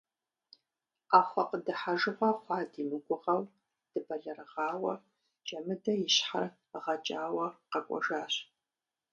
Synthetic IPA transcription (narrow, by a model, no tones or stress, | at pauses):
aːχʷɐqədɨħaʒɨʁʷɐχʷɑːdiːmɨɡʷʼʊʁɐw | d̥ɨbɐɮɐɾɨʁɑːwɐ | d͡ʒʼɐmɨdɐjɪɕħa̰r | ʁɐt͡ʃʼaːwɐqɐkʷʼɔ̰ʒaːɕ